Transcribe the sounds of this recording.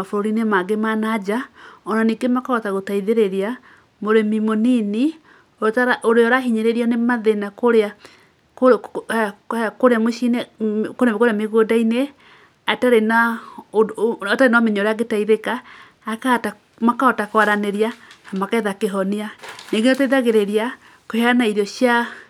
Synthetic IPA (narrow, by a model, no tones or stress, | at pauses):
mafoɾoɾinemaɡemanad͡ʒaɔnaniɡemakaɔtaɣotaiðeɾeɾia | moɾemimonini | otaɾʔoɾeɔɾaɦiɲeɾeɾiɔnemaðenakoɾea | ko | koɾeamoʃinekoɾemikoɾeameɣodaine | ataɾenaoataɾenameɲoɾeaɡetaiðekaː | kata | makaɔtakwaɾaneɾiaːmakaeðakeɦɔnianeŋɡenotaiðaɣeɾeɾia | koheaanaiɾɔɕja